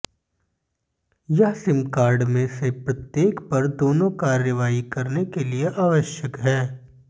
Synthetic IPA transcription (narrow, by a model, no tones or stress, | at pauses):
jɐɦsɪmkaːɾɖmẽsepɾɐt̪jeːkpɐɾd̪oːnõkaːɾjəʋaːikɐɾnekelieʔaːʋəʃjəkɦɛː